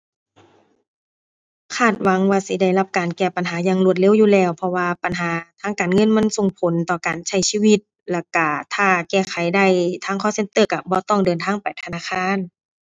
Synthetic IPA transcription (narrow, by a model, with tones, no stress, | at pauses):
kʰaː˧˩t̪̚wa˨˦ŋwaː˧si˧˦da˧˩jla˧p̚kaː˨˩nkɛː˧˩pa˨nɦaː˨˦ɲaː˧˨ŋlu˧t̪̚le˧˥˨wjuː˧˨lɛː˧˩˨wpʰɔ˧waː˧pa˨nɦaː˨˦t̪ʰaː˧˨ŋkaː˨nŋɤ˧˥˨nma˧˥˨nso˨ŋpʰo˨˦nt̪ɔː˧˩kaː˨nt͡ɕʰa˧˩jsiː˧˨wi˧t̪̚ | lɛ˧˩ka˧˩t̪ʰaː˧˩kɛː˧˩kʰa˨˦jda˧˩˨jt̪ʰaː˧˥ŋkʰɔː˧˥˨se˧˨nt̪ɤː˧˩ka˧˩bɔː˧˦t̪ɔ˧˩ŋdɤː˨nt̪ʰaː˧˥˨ŋpa˨˩jt̪ʰa˧naː˧˥˨kʰaː˧˥˨n